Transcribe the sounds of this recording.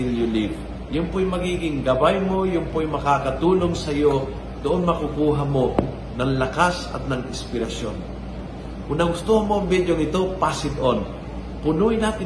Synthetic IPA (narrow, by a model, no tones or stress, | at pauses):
iljʊliv | jʊmpojmɐɡiːɡɪŋɡɐbajmo̞jʊmpojmɐkaːkɐt̪uːnoŋsɐjo̞ | d̪oʔonmɐkukuːɦɐmo̞ | nɐŋlɐkasɐ̰t̪̚nɐŋɪ̰spɪɾɐsjo̰n | ʊnɐɡʊst̪uhɐmoɐŋbid̪joŋɪt̪o̞pasɪd̪oʔon | pʊnuːɪnaːt̪ɪ